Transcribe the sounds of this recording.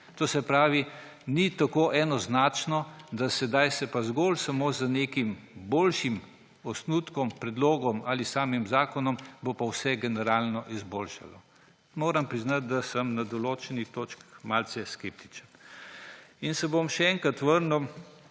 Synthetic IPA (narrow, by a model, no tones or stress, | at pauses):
t̪oːsɛpɾaːʋinit̪akoːʔɛnɔznaːt͡ʃnɔd̪asɛd̪ajsɛpazɡoːlsamoːzənekimboːlʃim | ɔsnut̪kɔmpɾɛd̪loːɡɔmaːlisaːmimzaːkɔnɔmbopawsɛɡɛnɛɾaːlnɔʔizboːlʃa̰lɔ | moːɾampɾiznat̪̚d̪asəmnad̪ɔloːt͡ʃɛnit̪oːt͡ʃkmalt͡sɛskep̚t̪i̥t͡ʃən | insɛbomʃɛɛŋkɾat̪ʋəɾnu